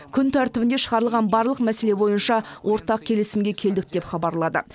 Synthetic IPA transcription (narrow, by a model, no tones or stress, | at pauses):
kʲʰʏnt̪ʰæɾt̪ɪbɪnd̪e̞ʃəʁɑɾəlˠʁɑnbɑɾlˠəqmæse̞le̞bo̞jənʃɑwʔo̞ɾt̪ɑq̚kʲʰe̞lɪsɪmɡʲekʲʰe̞ld̪ɪk̚d̪̥e̞pχɑbɑɾlˠɑd̪ə̰